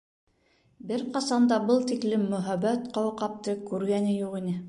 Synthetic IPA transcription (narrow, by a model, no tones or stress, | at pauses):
bɘɾqɑsɑnd̪ɑbɤlˠt̪iklɘmːɵ̆ɦæβæt̪qɑwɤqɑp̚t̪ɤkʉɾɡænɘjuʁinɘ